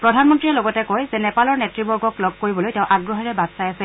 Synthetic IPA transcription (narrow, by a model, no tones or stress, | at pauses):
pɹɔdʱanmɔntɹiɛlɔɡɔtɛkojzɛnɛpalɔɹnɛtɹibɔɹɡɔklɔɡ̚koɹibɔlojtɛʊ̃ʔaɡɹɔɦɛɹɛbadsajasɛ